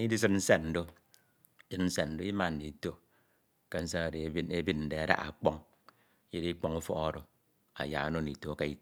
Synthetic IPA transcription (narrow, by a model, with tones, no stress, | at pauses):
i˦di˦s̬ɨ˦tn̩˦se˦tn̩˨˦do˦ | sɨ˦tn̩˦se˨nn̩˨do˦i˦ma˦˨n̩˨di˨˦to˦ | ke˦n̩˦sa˦a˨ɾe˨˦e˦bi˦t̚n̩˨de˨a˨ɾa̰˦ʔa̰˨k͡pɔ˦ŋ˦ | je˦ɾi˦k͡pɔ˦ŋu˦fɔ̰˦ɔ˦˨ɾo˨ | a̰˨ja˨a˦no˦ni˨to˨˦ka˦i˦